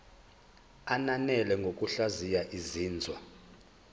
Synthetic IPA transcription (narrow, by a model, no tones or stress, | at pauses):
ananɛlɛŋɡʱok̬ʼuɬazijaʔiziːnd͡zʱwa